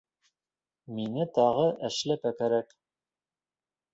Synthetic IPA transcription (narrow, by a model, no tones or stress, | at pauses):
minɘt̪ɑʁɤʔæʃlæpækæɾæk